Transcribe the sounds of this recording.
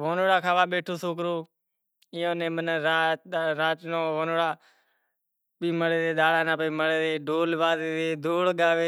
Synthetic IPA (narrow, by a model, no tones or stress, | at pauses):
ʋoːnoːɽaːkʰaːʋaːɓeːʈʰoːsoːk̬ɾoː | ɪjõːnẽːmənɾaːɾaːt͡ʃnõːʋoːnoːɽaː | ɓiːməɽeːdeːɗ̪aːɽaːnãːpəiːməɽeːeːɖʱoːlʋaːzeːeːd̪ʱoːɽɠaːʋeː